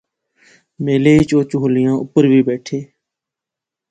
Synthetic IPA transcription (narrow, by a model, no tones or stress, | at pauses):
meːleːɪt͡ʃoːt͡ʃʊɦlɪjãːʔʊpəɾʋiːbeːʈʰeː